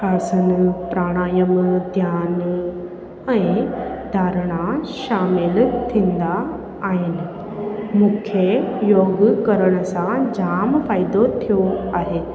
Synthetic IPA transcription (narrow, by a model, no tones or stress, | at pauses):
kaːsənɪ̆pɾaːɽ̃aːjəmd̪ʱjaːn | ɛ̃d̪ʱaːɾɽ̃aʃaːmɪlt̪ʰĩːnd̪aː | ɦɪnɪ̆ | mũːkʰejoːɡkɐɾəɽ̃ə̆sãd͡ʑaːmfaːɪd̪ot̪ʰijoaːɦeː